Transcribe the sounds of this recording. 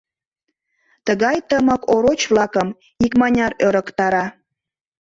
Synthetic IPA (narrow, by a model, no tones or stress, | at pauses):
t̪əɣɑjt̪əməkoɾot͡ɕβlɑkəm | ikmɑnʲɑɾøɾə̆kt̪ɑɾɑ